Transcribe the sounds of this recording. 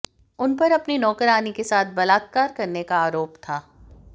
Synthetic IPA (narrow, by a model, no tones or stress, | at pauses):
ʊnpɐɾɐpninɔːkəɾaːnikesaːt̪̚ʰbɐlaːt̪̚kaːɾkɐɾnekaaːɾoːpt̪ʰaː